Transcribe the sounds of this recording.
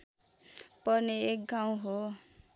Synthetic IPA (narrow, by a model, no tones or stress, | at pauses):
pʌrneek̚ɡaw̃ɦo